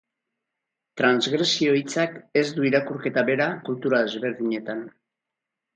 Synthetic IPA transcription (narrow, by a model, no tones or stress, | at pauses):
t̪ɾanzɣɾe̞sio̞it͡sake̞zd̪uiɾakuɾke̞t̪aβe̞ɾakult̪uɾaðe̞zβe̞ɾðiɲe̞t̪an